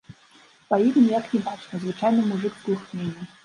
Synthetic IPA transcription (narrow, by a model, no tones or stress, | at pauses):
pɐjid̪ɨmjaknʲibat͡ʂnɐzvɨt͡ʂajnɨmuʐɨkbɨlˠxnʲenʲːɐ